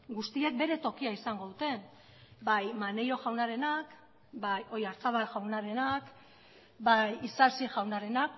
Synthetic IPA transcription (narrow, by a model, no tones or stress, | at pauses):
ɡust̪ie̞k̚be̞ɾe̞t̪o̞kiaisaŋɡo̞ðut̪e̞n | bajmane̞jo̞ʝawnaɾe̞nak | bajo̞jaɾt͡s̪aβaʝawnaɾe̞nak | bajisaɾsiʝawnaɾe̞nak̚